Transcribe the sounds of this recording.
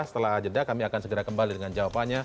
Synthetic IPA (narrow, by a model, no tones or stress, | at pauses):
sə̥t̪əlaɦad͡ʒədakamiakansəɡəɾakəmbalidəŋand͡ʒawapaɲa